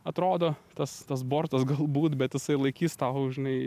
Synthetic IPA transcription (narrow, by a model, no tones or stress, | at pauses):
ɐt̪ɾoːd̪oːt̪ɐst̪ɐs̬boːɾt̪ɐsɡɐlˠbuːt̪bʲɛt̪jɪsɐɪlˠɐɪkʲiːst̪ɐʊʒʲɪnɐɪ